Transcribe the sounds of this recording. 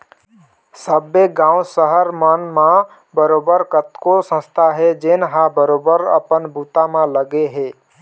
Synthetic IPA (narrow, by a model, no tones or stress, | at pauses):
səbːeɡãwsəɦəɾmənmã | bəɾobəɾkət̪kosə̃st̪ʰaɦed͡ʒenɦabəɾobəɾə̰pənbʱut̪amãləɡeɦe